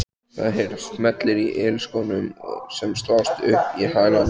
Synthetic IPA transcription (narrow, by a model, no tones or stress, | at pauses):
θaðɦeɾast̪mɛt̪lɪɾiʔɪlskownʏm̰sɛmst̪awst̪ʏhpihaːɣlan